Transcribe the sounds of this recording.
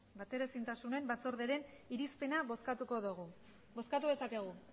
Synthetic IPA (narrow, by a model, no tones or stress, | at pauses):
bat̪e̞ɾesint̪asune̞mbat͡so̞ɾðeɾe̞n | iɾispe̞naβoskat̪uko̞ðuɣu | bo̞skat̪uðe̞sake̞ɣ̞u